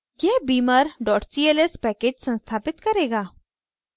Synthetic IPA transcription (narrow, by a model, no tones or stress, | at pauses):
jɛɦbiːməɾɖɔːʈsiːelespɛːkeːd͡ʒsɐ̃nst̪ʰaːpɪt̪kɐɾeːɡaː